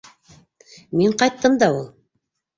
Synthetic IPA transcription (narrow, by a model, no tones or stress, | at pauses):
miɴqɑjt̪ːɤmd̪ɑulˠ